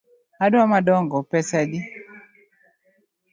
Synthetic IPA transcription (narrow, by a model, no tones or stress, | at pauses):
aduwamadɔŋɡɔpɛsadi